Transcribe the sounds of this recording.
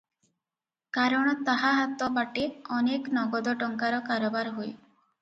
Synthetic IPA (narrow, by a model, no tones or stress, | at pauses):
kaɾɔɽ̃ɔt̪aɦaɦat̪ɔbaʈeɔneknɔɡɔd̪ɔʈɔŋkaɾɔkaɾɔbaɾɦoj